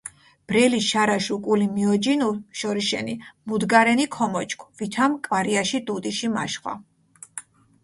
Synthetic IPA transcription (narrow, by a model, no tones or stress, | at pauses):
b̥ɾɛliʃaɾaʃukʼulimiɔd͡ʒinuʃɔɾiʃɛ̰nimud̪ɡaɾɛnikʰɔmɔt͡ʃʼkʰvit̪ʰamkʼvaɾiaʃid̪ud̪iʃima̰ʃχwa̰